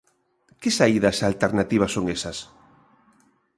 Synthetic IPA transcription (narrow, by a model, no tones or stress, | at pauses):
kɪsaiðɐsalt̪eɾnat̪iβ̞ɐsoŋesɐs